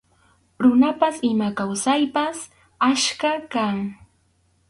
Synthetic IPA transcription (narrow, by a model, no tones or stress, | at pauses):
ɾʊnapasɪmakawsajpas | aʃkakaŋ